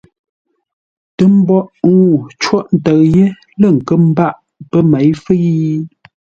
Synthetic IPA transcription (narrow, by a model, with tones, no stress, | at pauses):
tə˦m̩˦bɔ˦ʔu˦˨t͡ʃwɔ˦ʔn̩˨tə˨ɣje˦ | lə˦˨ŋ̩˨kə˦m̩˦ba˦˨ʔ | pə˦mɛ˨˦jfə˦ji˦